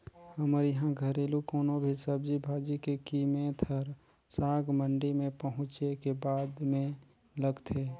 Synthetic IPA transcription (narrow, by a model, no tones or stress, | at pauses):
həməɾjəɦãɡʱəɾeːlukoːnõbʱisəb̚d͡ʒibʱaːd͡ʒikekiːmet̪ʰəɾ | saːɡməɳɖimẽpəɦʊ̃t͡ʃekebaːd̪mẽ | ləɡt̪ʰe